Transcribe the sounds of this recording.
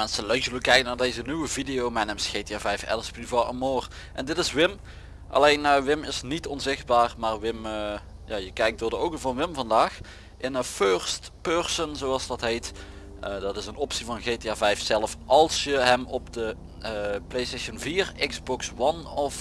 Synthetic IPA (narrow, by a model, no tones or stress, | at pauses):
mɛnsəlœzələkɛjkənaːɹdejzənywəvidejowmɛjnɛmsxeteaːvɛjfɛ̰ləsplivɑʔəmoːr | ʔɛndɪtɪsʋɪm | ʔɑ̰lejnːawʋɪmɪsnitɔnzɪxt̚baːrmaːrʋɪmə | jaːjəkɛjk̚d̥ʊːɹdəowkənvɑnʋɪmvɑndaːx | ʔɪnəføːɹstpørsənzowɑlˠsdɑtɦejtː | dɑtɪsənɔpsivɑnɣeːteaːvɛjfsɛləfʔɑlˠsjəɦɛmɔpdə | plejsteʃənviːrɪɡzbɔkswɑnɔf